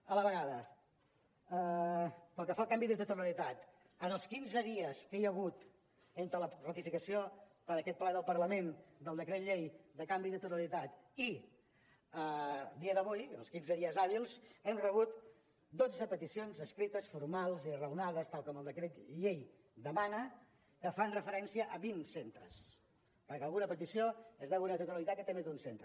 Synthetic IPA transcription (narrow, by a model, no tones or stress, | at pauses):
ələβəɣaðə | əpəlˠkəfalˠkambiðət̪ət̪uɾəlit̪at̪ | ənəlˠskinzəðiəskɛjəɣ̞ut̪ | ent̪ɾələrət̪ifikəsio | pəɾəkɛt̪̚plɛðəlˠpəɾləmend̪əlˠd̪əkɾet̪ʎejd̪əkambiðət̪uɾəlit̪at̪i | əd̪iəðəβujəlˠskinzəðiəzaβilˠzɛmrəβut̪ | d̪od͡zəpət̪isionzəskɾit̪əsfuɾmalˠzirəwnaðəst̪alˠkɔməlˠd̪əkɾet̪ʎej | d̪əmanə | kəfanrəfəɾɛnsiəʔəβinsent̪ɾə̰s | pəɾkəlˠɣunəpət̪̬isioezðəɣunət̪ut̪uɾəlit̪at̪̚kət̪emezd̪unsent̪ɾə